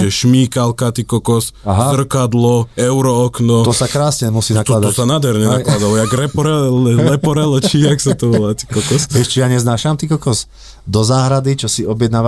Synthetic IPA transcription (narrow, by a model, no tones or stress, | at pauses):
ʒɛʃmiːkalkat̪ikɔkɔsaɦazr̩kad̪lɔɛʊɾɔːknɔt̪ɔsakɾaːsɲɛmusiːnakt̪ɔad̪aɔsanad̪ɦɛɾɲɛnaklad̪alɔjaɡɾɛpɔɾɛlɛpɔɾɛlɔt͡ʃiːaksat̪ɔʋɔlat̪i̥kɔkɔsɛʃt͡ʃɛjaɲɛznaːʃamt̪ikɔkɔs | d̪ɔzaːɦɾad̪it͡ʃɔsiɔbjɛd̪naːʋa